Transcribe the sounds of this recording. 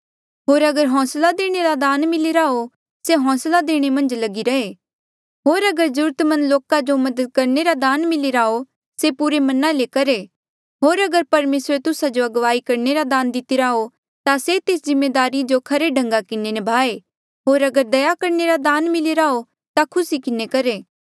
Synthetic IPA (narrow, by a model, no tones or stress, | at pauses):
ɦoːɾɐɡəɾɦɔ̃ːslad̪eːɽ̃eɾad̪aːnmɪleɾaːo | seɦɔ̃ːslad̪eːɽ̃emɐ̃nd͡ʒlɐɡiɾɐe | ɦoːɾɐɡəɾd͡ʒʊɾət̪mɐ̃nloːkad͡ʒomɐd̪əd̪̚kɐɾneɾad̪aːnmɪleɾaːo | sepʊɾemɐnalekɐɾe | ɦoːɾɐɡəɾpɐɾmeːsɾet̪ʊsad͡ʒoɐɡʋaːikɐɾneɾad̪aːnd̪ɪt̪iɾao | t̪aset̪eːszɪmːeːd̪aːɾid͡ʒokʰɐɾeɖʱɐ̃ŋɡakɪnenɐbʱaːe | ɦoːɾɐɡəɾd̪ɐjakɐɾneɾad̪aːnmɪleɾaːo | t̪akʰʊsikɪnekɐɾeː